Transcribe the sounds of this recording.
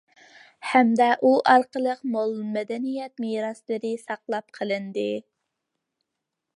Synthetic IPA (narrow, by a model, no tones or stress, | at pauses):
hæmd̪ɛʔuʔɑɾqəlˠəqmolˠmɛd̪ɛnijɛt̪̚miɾɑslˠɨɾɪsɑqlˠɑp̚qʰəlˠɨnd̪ɨ